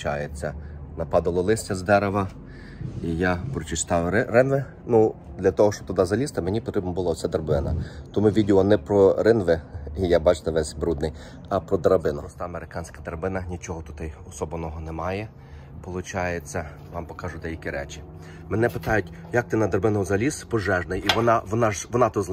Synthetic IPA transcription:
t͡ʃɑjet͡sʲːɐnɐpɑd̪ɐlˠɔlˠɪsʲtʲɐzd̪ɛɾeʋɐ | ijapɾɔt͡ʃɪst̪ɑjʊɾɪnʋɪ | nu | d̪lʲɐt̪ɔɦɔʃt͡ʃɔ̥t̪ʊd̪ɑzɐlʲist̪ɪmenʲipɔt̪ɾɪbnɐbʊlˠaɔsʲɛd̪ɐrbɪnɐt̪ɔmuʋʲidʲilˠɔnɛpɾɔɾɪnʋɪijabɑt͡ʃɪ̥t̪ɪʋɛsʲbɾud̪nɪj | ɐpɾɔd̪ɐɾɐbɪnɐɔst̪ɑɐmeɾɪkɑnʲsʲkɐd̪ɐɾɐbɪnɐnʲit͡ʃɔɦɔt̪ʊt̪ɪjɔsɔbɔnɔɦɔnɛmɑjɛ | pɔlˠʊt͡ʃɑjet͡sʲːɐ | ʋɑmpɔkɑʒʊd̪ɛjɐkʲiɾɛt͡ʃʲi̥ | menɛpɪt̪ɑjʊtʲ | jɐk̚t̪ɪnɐd̪ɐɾbɪnʊʊzɐlʲispɔʒɛʒnɪjiʋɔnɑʋɔnɑʒʋɔnɑt̪ɔz

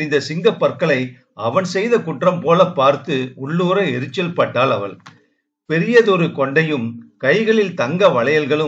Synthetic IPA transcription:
ɪnd̪ɐsɪŋɡɐpːɐɾkɐɭɐɪ | ɐʋɐɳsɛjðɐkʊʈrɐmpoːlɐpːaːɾt̪ɯʊɭːuːɾɐɛɾɯt͡ʃːɐlpɐʈːaːlɐʋɐɭ | pɛɾɪjɐðɔɾɯkɔɳɖɐjɯmkɐɪɣɐɭɪlt̪ɐŋɡɐʋɐɭɐjɐlɣɐɭɯ

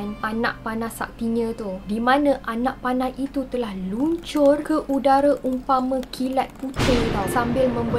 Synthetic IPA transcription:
nanãʔ̚panãsa̰k̚t̪iɲãt̪udimãnãʔanãʔ̚panãhit̪ut̪əlahluɲt͡ʃʊrkəʔudaɾaʔumpamə̃kʰilat̪̚put̪ɪŋt̪awsambɪlmə̃mbə

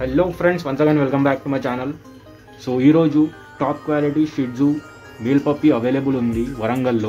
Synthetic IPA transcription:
helːoːfɾẽɳɖsʋɐnsɐɡɐ̃nɖʋilkɐ̃mbæːk̚ʈumɐt͡ʃaːnəl | soːiːɾoːd͡ʒuː | ʈɔːp̚kʋaːliʈiːʃiʈ̚d͡zuː | miːlpɐpːiːɐʋeːleːbulund̪iʋɐɾɐŋɡɐlːoː

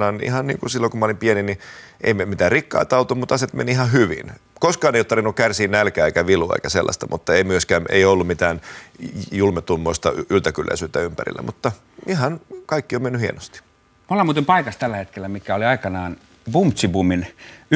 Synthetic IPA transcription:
ɑnḭhɑnnḭːŋkusilːoŋkumɑolimpienini | ʔḛimemit̪æːrrikːɑ̰ːt̪ɑut̪ommut̪ɑset̪mḛniihɑhyʋḭn | koskɑːneijot̪ɑrʋinukkærsiːnnælkæːeikæʋiluḛikæselːʔɑ̰st̪ɑmut̪ːɑeimyøskæːmʔḛiolːummit̪æːn | julmet̪umːoist̪ɑ̰ylt̪ækylːæ̰isyːt̪ːæympæ̰rḭlːæ̰mut̪ːɑ | ʔihɑnkɑikːiomenːyhiḛnost̪i̥ | molːɑmuːt̪impɑikɑst̪ælːæhet̪kelːæmikæoliɑikɑnɑːn | b̥ump̪sibumin

